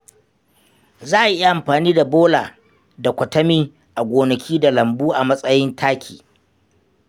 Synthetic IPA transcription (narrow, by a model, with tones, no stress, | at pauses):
zaː˦ʔa˨jʔɪ˦ja˦ʔa˨mɸaː˨niː˦da˨boː˦laː˨ | da˨kʷɐ˨tɐ˦miː˦ | ʔa˨ɡʷoː˨nɐ˨kʲʰiː˦da˨lɐ˨mbuː˦ʔa˨mɐ˦sʼɐ˦jɪ˦ntʰaː˦kʲʰḭː˨